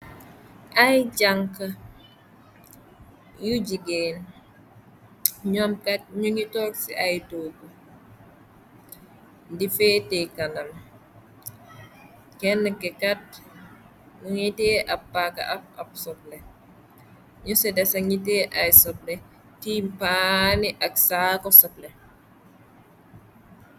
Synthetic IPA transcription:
ʔɐjd͡ʒaŋkɐ | juɟiɡen | ɲɔmkɐt̚ɲuŋitɔːksiʔɐjtoːɡu | difɛːtɛkɐnɐm | kɛnːɛkɛkɐt̚ | nuŋiteːʔɐpːakːɐ̰ʔɐp̚ɐpsɔp̚lɛ | ɲusɛdɛsɐŋiteʔɐjsɔplɛ | timpaniʔɐksaːkɔsɔplɛ

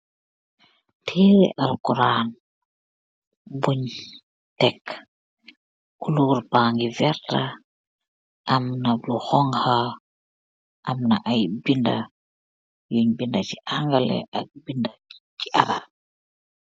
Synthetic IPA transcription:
tʰɛʔalkuɾan | buɲ | tɛk | uluːɾbaːŋɡivɛɾta | ʔamnaluxɔŋha | ʔamna̰ʔajbinda̰ | juɲbindat͡ʃiʔaŋɡalɛ̰ʔak̚bindat͡ʃiʔaɾa̰

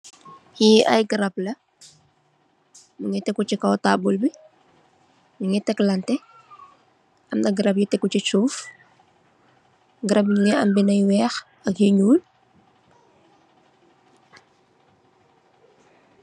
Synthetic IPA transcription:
jiʔɐ̰jɡəɾɐblɐ | muŋɛtɛkːut͡ʃikɐwtabulbi | muŋɛtɛklɐntɛ | ɐmdɐɡɐɾɐp̚jitɛkːucit͡ʃuːf | ɡəɾɐpɲŋɛɐ̰mbinɐjwɛːx | ɐkjiɲuːl

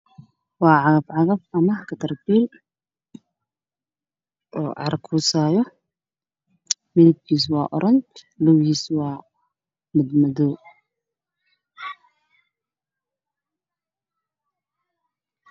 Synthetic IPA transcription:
wɑːʕɑɣɐfʕɑɣɐfʔɐmɐkʰɐt̪ʰɐrbiːl | ʔɔːʕɑ̰ɾkʰuːsaːjɔ | mɪlɪb̚kʰiːswɑ̰ːʔɔ̰ɾʔɐnt̪ | lɔwhiːswɑː | mɪd̪mɐðɔ

